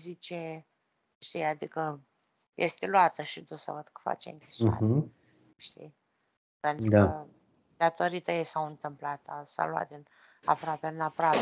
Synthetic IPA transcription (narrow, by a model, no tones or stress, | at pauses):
zit͡ʃe | ʃt̪ijad̪ikə | jʔest̪eluat̪əʃid̪usə̰vəd̪̥kə̥fa̰t͡ʃḛmkʲisua | ʃt̪ḭj | pent̪ud̪a | d̪at̪o̞ɾit̪əjesawɨnt̪ɨmplat̪asa̰lwa̰t̪d̪ɨn | a̰pɾoapeɨnapɾoap